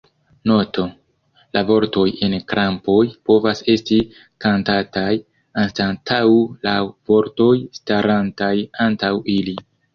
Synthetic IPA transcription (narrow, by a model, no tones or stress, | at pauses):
no̞to̞ | lʔavo̞ɾto̞je̞nkɾʔampo̞jpo̞vase̞sti | kantataj | anstantʰawlavo̞ɾto̞jstaɾantajantawili